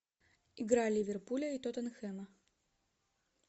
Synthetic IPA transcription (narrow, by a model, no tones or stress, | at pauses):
iɡɾalʲivʲɪrpulʲəit̪ot̪ɐnxɛmɐ